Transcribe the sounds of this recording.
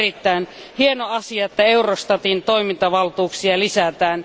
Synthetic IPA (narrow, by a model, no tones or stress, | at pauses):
rit̪ːæin | hienoɑsiɑet̪ːæeurost̪ɑt̪int̪oimint̪ɑʋɑlt̪uːksiɑlisæt̪æːn